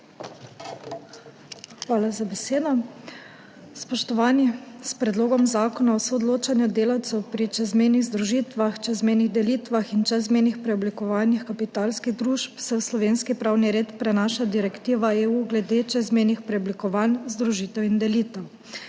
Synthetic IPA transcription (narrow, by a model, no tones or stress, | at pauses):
xʋaːlazabɛseːd̪ɔ | spɔʃt̪ɔʋaːnispɾɛd̪loːɡɔmzaːkɔnaɔsoɔd̪loːt͡ʃanjɔd̪eːlawt̪sɛwpɾit͡ʃɛzmɛjniɣzd̪ɾuʒiːt̪ʋaxt͡ʃɛzmɛjniɣd̪ɛliːt̪ʋaxint͡ʃɛzmeːnixpɾɛɔblikɔʋaːnixkapit̪alskiɣd̪ɾuʃpsɛwslɔʋeːnskipɾawniɾeːt̪pɾɛnaːʃad̪iɾɛkt̪iːʋaeːuːɡlɛd̪et͡ʃɛzmɛjnixpɾɛɔblikɔʋaːnzd̪ɾuʒiːt̪ɛwind̪ɛliːt̪ɛw